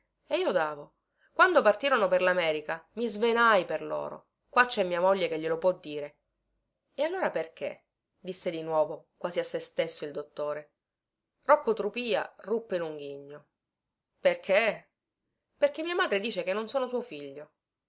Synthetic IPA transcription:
eiːod̪aːvo | kwand̪opart̪iːɾonoperlamɛːɾikamizvenajperlo̰ːɾo̰ | kwat͡ʃːɛmːiːamoʎːekeʎːelopwɔd̪ːiːɾe | ealːoːɾaperk̟ḛ | d̪isːed̪inwɔːvokwaːziasːest̪esːoild̪ot̪ːoːɾe | rɔkːot̪ɾupiːa̰rupːeinuŋɡiɲːo | perkʰe | perkemiːamaːd̪ɾed̪iːt͡ʃekenːonsoːnosuofiʎːo

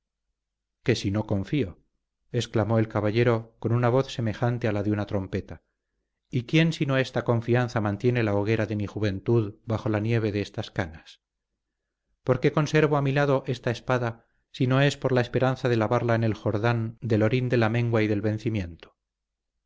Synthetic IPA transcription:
ke̞sino̞ko̞ɱfio̞ | e̞sklamo̞e̞lkaβaʎe̞ɾoko̞nunaβ̞o̞θse̞me̞xant̪ealaðeunat̪ɾo̞mpe̞t̪a | ikje̞nsinoe̞st̪akõ̞ɱfianθamãnt̪je̞ne̞laoɣ̞e̞ɾaðe̞mixuβe̞nt̪uðbaxo̞lanje̞β̞e̞ðeest̪askanas | po̞ɾke̞ko̞nse̞ɾβoamilaðo̞ʔe̞st̪ae̞spaða | sino̞e̞spo̞ɾlaespe̞ɾanθaðe̞laβaɾlaene̞lxo̞ɾðand̪e̞lo̞ɾind̪e̞lamẽ̞ŋɡwaiðe̞lβẽ̞n̟θimjẽ̞nt̪o̥

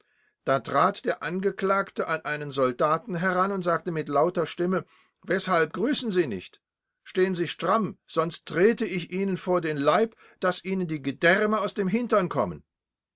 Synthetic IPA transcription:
d̥aːtʁ̥aːtd̥eːɐʔanɡəkl̥aːktəʔanʔaɪnənzɔldaːtn̩ɦɛʁanʊntz̥aːk̚təmɪtlaʊtɐʃtɪmə | vɛshalp̚ɡ̥ʁyːsn̩ziːnɪ̰çt | ʃteːənziːʃtʁ̥amz̥ɔnstʁ̥eːtəɪçʔiːnənfoːɐdeːnlaɪp | d̥asʔiːnəndiːɡədɛʁməaʊsd̥eːmɦɪntɐnkʰɔ̰mən

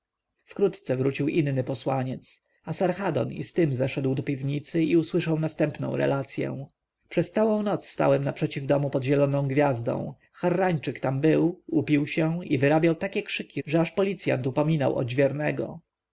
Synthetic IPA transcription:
fkɾut̪t̪sɛvɾut͡ɕiwʔinːɘpɔswaɲɛt̪s | asaɾxad̪ɔ̰nḭst̪ɘmzɛʂɛd̪wd̪ɔpʲivɲit̪sɘiuswɘʂawnast̪ɛmpnɔ̰̃w̃ɾɛ̰lat̪sʲjɛ̰w̃ | pʂɛst̪sawɔ̃w̃nɔt̪sst̪a̰wɛmnapʂɛt͡ɕivd̪ɔmupɔd̪ʑɛlɔnɔ̃w̃ɡvʲjazd̪ɔ̰̃w̃ | xaɾːaɲt͡ʂɘkt̪ambɘwupʲiwɕɛivɘɾabʲjawt̪akʲɛkʂɘkʲiʐɛaʂpɔlʲit̪sʲja̰nt̪upɔmʲinawʔɔ̰d͡ʑvʲjɛɾnɛɡɔ̰

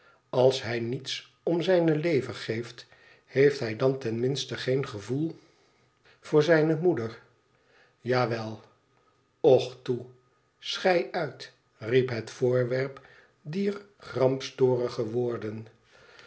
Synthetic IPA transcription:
ɑlˠsɦɛjnits | ɔmzɛjnəlejvəχejft | hejftɦɛjdɑntɛnmɪnstəχejnχəvulˠ | v̥ʊːɹzɛjnəmudəɹ | jaːʋɛlˠ | ɔχtu | sχɛjœɥt | ripɦətfʊːɹʋɛɹp | diːɹχrɑmpstoːrəχəʋʊːɹdən

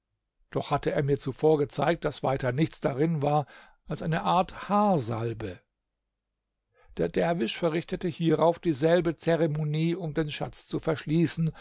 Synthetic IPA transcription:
d̥ɔχhatəʔeːɐmiːɐt͡sufoːɐɡət͡sa̰ɪk̚t̚d̥asv̥aɪtɐnɪçt͡sd̥aʁɪnvaːɐ | ʔalsʔaɪnəʔaɐthaːɐza̰lbə | d̥eːɐdɛɐvɪʃfɛɐʁɪçtətəhiːʁaʊfd̥iːzɛlbət͡seʁemoniːʊmdeːnʃa̰t͡st͡sufɛɐʃliːsn̩

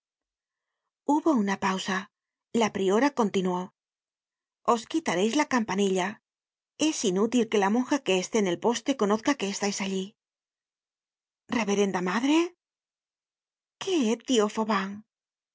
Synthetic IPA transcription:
uβo̞unapawsa | lapɾio̞ɾako̞nt̪inwo̞ | o̞skit̪aɾe̞jzlakampaniʎa | e̞sinut̪ilke̞lamo̞ŋxake̞ːst̪e̞ːne̞lpo̞st̪e̞ko̞no̞θkake̞ːst̪ajsaʎi | re̞βe̞ɾe̞nd̪amaðɾe̞ | keet̪io̞foβaŋ

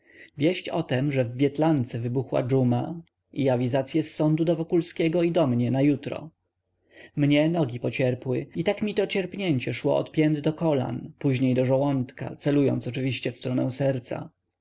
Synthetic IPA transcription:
vʲjɛɕt͡ɕɔt̪ɛmʐɛvːʲjɛt̪lant̪sɛvɘbuxwa̰d͡ʐuma | iavʲizat̪sʲjɛsːɔnd̪ud̪ɔvɔkulskʲɛɡɔid̪ɔmɲɛnajut̪ɾɔ̰ | mɲɛnɔɡʲipɔt͡ɕɛɾpwɘit̪akmʲit̪ɔt͡ɕɛɾpɲeɲt͡ɕɛʂwɔ̰ʔɔ̰t̪pʲjɛnd̪d̪ɔkɔla̰npuʑɲejd̪ɔʐɔwɔnt̪ka̰t̪sɛlujɔ̰nt̪ɔt͡ʂɘvʲiɕt͡ɕɛfst̪ɾɔnɛw̃sɛɾt̪sa̰

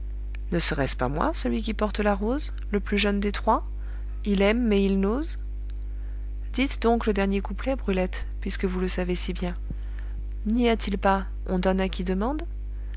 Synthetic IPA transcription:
nəsəʁɛspa̰mwa̰səlɥikʲipɔʁt̪əlaʁoz | ləplyʒənd̪et̪χwa | ilɛmːɛilnoz | d̪̥it̪d̪ɔ̃kləd̪ɛʁnjekuplɛbʁylɛt̪ | pɥiskəvuləsavesibjɛ̃ | niat̪ilpa | ɔ̃d̪ɔnakʲid̪əmɑ̃d̪

